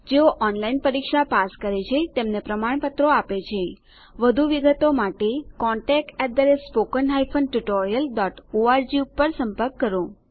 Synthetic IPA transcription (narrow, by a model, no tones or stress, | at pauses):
d͡ʒeoʔɔnlainpəɾikʃapaskəɾet͡ʃʰet̪emnepɾəmaɳpət̪ɾoapet͡ʃʰe | ʋəd̪ʱuʋiɡət̪omaʈekɔɳʈɛk̚ʈɛʈ̚d̪əɾespokənɦajfʰənʈuʈoɾijəlɖɔʈoaɾd͡ʒiupːəɾsəmpəɾkːəɾõ